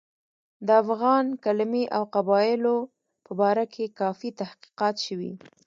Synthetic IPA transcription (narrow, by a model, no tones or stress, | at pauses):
d̪əafɣɑnkalmiʔawqabɑjɪlo | pəbɑɾakʰekɑfit̪ahqi̥qɑt̪ʃəwḭ